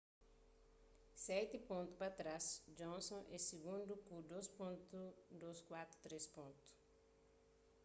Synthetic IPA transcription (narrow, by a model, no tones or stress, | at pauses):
sɛt̪ɪpõnt̪u̥pɐt̪ɾasd͡ʒõnsõʔɛsiɡũnd̪ukud̪ospõnt̪ud̪oskwat̪ɾu̥t̪ɾespõnt̪u̥